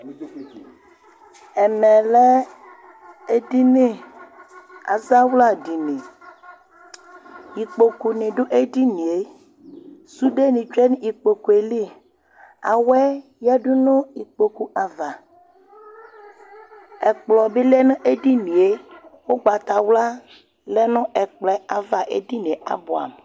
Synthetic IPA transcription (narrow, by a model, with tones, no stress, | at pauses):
ɛ˨mɛ̃˨le˦ | e˦di˦nẽ˦ | a̰˨za˦wla˦˨ɖi˨nẽ˨ | i˨k͡po˨ku˨nẽ˨ɖo˦ʔe˦di˦nĩ˨e˦ | su˦ɖe˦nĩ˨t͡ʃɛ˦ñ˦i˨k͡po˨ku˨e˨li˦˨ | a̰˨wɛ˦ | ja˦ɖu˦nɔ̃˦i˨k͡po˨ku˦ʔa˨va˨ | ɛ˨k͡plɔ˨be˦lɛ˦nẽ˦ʔe˦di˦nĩ˨e˦wo˦ɡ͡ba˨t̪a˨wla˦ | lɛ˦nɔ̃˦ʔɛ˨k͡plɛ˨˦a˨va˨ʔḛ˦di˦nẽ˨a̰˨bo˨a̰˨m